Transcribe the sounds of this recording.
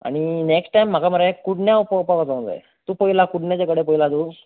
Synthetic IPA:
a̰ɽ̃ineksʈʈajm̤ːakaməɾajekuɽnjaupəpakat͡saũnd͡za̰j | t̪uːpəɦilakuɽnjat͡ɕjakəɽep̬əɦilad̪uː

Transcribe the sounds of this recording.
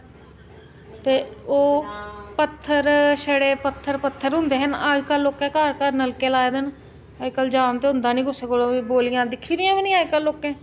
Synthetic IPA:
t̪eːoːpət̪ʰːəɾʃəɽeːpət̪ʰːəɾpət̪ʰːəɾɦʊ̃nd̪eːɦənaːkəlːoːkẽːkaːɾkaːɾnəlkeːlaːeːd̪ən | aːd͡ʒkəld͡ʒaːnt̪eːɦʊ̃nd̪aːnĩːkʊsəkoliboːlɪjãːd̪ɪkʰːiːɾɪjãːʋinĩːaːkəlːoːkẽː

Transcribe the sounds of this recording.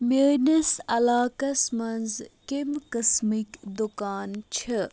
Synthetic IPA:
menɐsɐlaːkɐsmɐnzkimkɐsmikd̪ukaːnt͡ʃʰi

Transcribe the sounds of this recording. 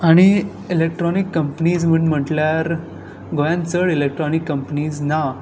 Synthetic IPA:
aɽ̃i | elek̚ʈɾɔnikːəmpniːd͡zm̤əɳm̤əʈljaɾ | ɡojãnt͡səɽelek̚ʈɾɔnikːəmpniːd͡zna

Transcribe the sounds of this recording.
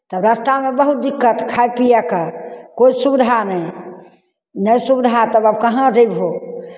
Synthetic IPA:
t̪əbɾast̪amebəɦut̪̚d̪ikːət̪kʰajpijakəkoisubid̪ʱanəj | nəjsubid̪ʱat̪əbəb̚kəɦãd͡ʒəjbɦo

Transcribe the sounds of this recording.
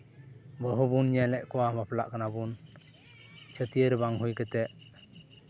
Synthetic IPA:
bəɦubunɲalɛʔkɔwamapla̰ʔkanabun | t͡ʃʰət̪ijəɾbaŋɦujkət̪ɛʔ

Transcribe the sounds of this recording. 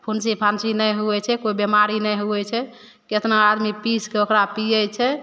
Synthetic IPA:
pʰunsipʰansinəjɦuɛt͡ʃʰɛkoibemaɾinɛjɦuɛt͡ʃʰɛ | ket̪naad̪mipiskeokɾapijɛt͡ʃʰɛ

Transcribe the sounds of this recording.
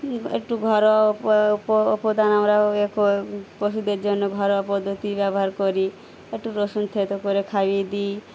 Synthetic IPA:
ḛkʈuɡʱɔɾɔappɔːpɔd̪anamɾaekopɔsud̪eɾd͡ʒɔnːɔɡʱɔɾɔapɔd̪ʱːɔt̪ibjabɔɦaɾkɔɾi | ekʈuɾosunt̪ʰet̪ɔkɔɾekʰabid̪i

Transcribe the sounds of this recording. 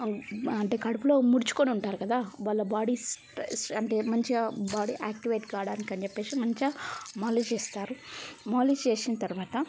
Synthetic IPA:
ɐɳʈeːkɐɽupulo̞ːmuɽit͡ʃu̥koːniuɳʈaːɾukɐd̪aːʋaːɭːɐbaːɽisʈsɐɳʈe̞ːmɐɲt͡ʃibaːɽiʔaːk̚ʈiʋɐjʈɡaːɽaːnikɐnt͡ʃɛpːe̞ːsimɐɲt͡ʃɐmaːlit͡ʃeːst̪aːɾumaːlit͡ʃeːsinɐt̪ɐɾuʋaːt̪ɐ

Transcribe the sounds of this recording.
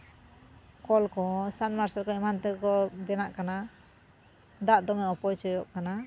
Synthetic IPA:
kɔlkɔsanmaɾsaɾkɔimant̪ɛkɔbɛnaʔkana | d̪aʔd̪ɔmɛɔpɔjsɔjɔʔkana

